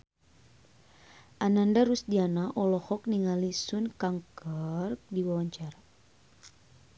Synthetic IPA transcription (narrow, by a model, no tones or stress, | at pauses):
ʔanandaɾusdianaʔɔlɔhɔk̚niŋalisunkaŋkər̚diwawaɲt͡ʃaɾa